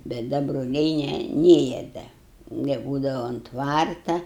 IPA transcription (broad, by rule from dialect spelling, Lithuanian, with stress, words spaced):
bʲɛt ˈdɐ broːˈlʲɛɪ ˈnʲɛ ˈnʲeːjɛ ˈdɐ nʲɛˈbuːdɐʋɐ oːnt ˈtʋɐrtɐ